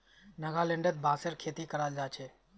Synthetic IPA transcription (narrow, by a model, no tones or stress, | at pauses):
nəɡalẽɳɖət̪̚bʱaːsəɾkʰeːt̪ikəɾaːld͡ʒaːt͡ʃʰeː